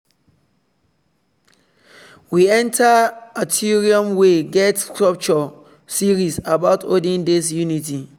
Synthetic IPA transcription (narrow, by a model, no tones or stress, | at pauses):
wiɛ̃ntʰaatʰiɹiɔ̃mweɡɛtkɹɔp̚t͡ʃɔ | siɹisabaʊtʰo̰dĩndesjuniti